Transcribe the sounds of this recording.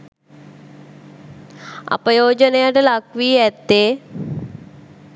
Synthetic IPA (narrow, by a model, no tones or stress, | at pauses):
a̰pəjoːd͡ʒənejaʈəlakʋiːæt̪ːeː